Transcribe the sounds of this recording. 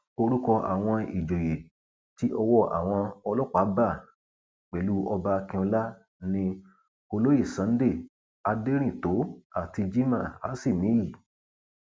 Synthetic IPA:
o˧ɾu˦kɔ˧ʔa̰˨w̃ɔ̃˧i˨d͡ʒo˨je˨ | ti˦ʔɔ˧wɔ˦ʔa̰˨w̃ɔ̃˧ɔ˧lɔ˦k͡pa˨˦ba˦˨ | k͡pɛ˨˦lu˦ɔ˧ba˧kĩ˧ɔ˧la˦ | nĩ˧ | ko˧lo˦ji˦˨sã˨˦n˦de˦˨ | a˨˧de˦ɾ̃ĩ˦˨to˨˦a˦˨ti˧d͡ʒi˦mã˦˨a̰˨˦si˦˨mĩ˨˦ji˦˨

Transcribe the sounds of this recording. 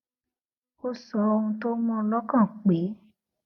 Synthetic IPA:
o˧sɔ˨ɔ˧ũ˧to˦mɔ̃˧˦lɔ˦kã˦˨k͡pe˨˦

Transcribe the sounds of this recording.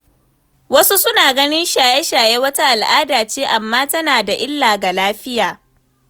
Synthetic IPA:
wɐ˦su˦sʊ˦naː˨ɡɐ˦nɪ˦nʃaː˨jɛ˦ʃaː˨jeː˦wɐ˦ta˦ʔa˨lʔaː˦daː˨t͡ʃeː˦ʔa˨mːaː˦tɐ˦naː˨da˨ʔɪ˦lːaː˨ɡa˨laː˦ɸɪ˦jaː˨

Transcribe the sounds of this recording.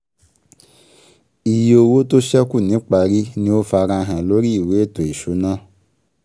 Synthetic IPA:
i˨ji˨o˧wo˦to˦ʃɛ˦ku˦˨nĩ˨˦k͡pa˧ɾi˦nĩ˦o˦fa˧ɾ̃ã˧ɦã˨lo˦ɾi˦i˦˨we˨˦e˦˨to˨i˨ʃo˨˦nã˦

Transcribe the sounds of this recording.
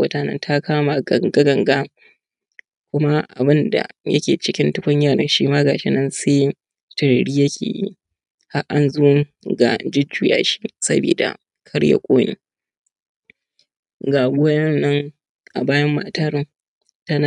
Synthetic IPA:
wɐ˦taː˨˦nɐ̰˦ntʰa˦kaː˦ma˨ɡɐ˨ŋɡa˦ɡɐ˨ŋɡa˦ | kʷʊ˦ma˦ʔa̰˨bɪ˦nda̰˨jɐ̰˦kʲeː˨t͡ʃɪ˦kʲɪ˦ntɪ˦kʷʊ˦ɲjaː˦˨ɽɐ˦nʃiː˦maː˦ɡaː˨ʃɪ˦nɐ˦nse˦ | tɪ˨ɽɽiː˦jɐ˦kʲʰḛː˨jḭ˦ | ha˦ʔa˦nzuː˦ | ɡa̰˨d͡ʒɪ˦d͡ʒuː˨ja̰ː˦ʃi̥˦sɐ̰˦bḭː˨da̰˨ | kʰɐ˦ɽja̰˨kʷʼoː˦nḭː˨ | ɡaː˨ɡʷʊ˦jɐ˦nːɐ˦ŋ | ʔa̰˨baː˦jɐ˦mːaː˨taː˦ɾɪ˦ŋ | ta˦na˨

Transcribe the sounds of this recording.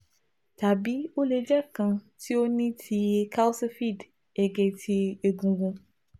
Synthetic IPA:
t̪a˨bi˦wo˦le˨d͡ʒɛ˦kã˨ | t̪i˦wo˦nĩ˦t̪ʰi˨e˨ka˦wsfi˦˨d | e˨ɡɛ˨t̪i˦e˨e˨ɡũ˨ɡũ˦

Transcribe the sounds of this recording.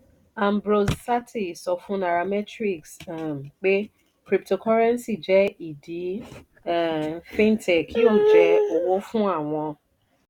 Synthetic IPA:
ã˨m˨bɾo˨ssa˦tʰi˨sɔ˧fʊ̃˦na˨ɾa˨mɛ˦tɾi˨ksm̩˨k͡pe˦ | kɾi˨p̚to˨kʰɔ˦ɾɛ˦n˦si˨d͡ʒɛ˦i˨di˨˦˨ | fĩ˦n˦tʰɛ˨kʰi˦o˦˨d͡ʒɛ˦o˨wo˦fũ˦a˦˨w̃ɔ̃˧

